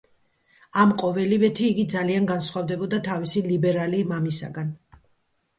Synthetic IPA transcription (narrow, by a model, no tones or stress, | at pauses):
amqʼɔvɛlivɛt̪ʰiːɡid̪zalianɡansχwavd̪ɛbɔd̪at̪ʰavisilibɛɾalimamisa̰ɡan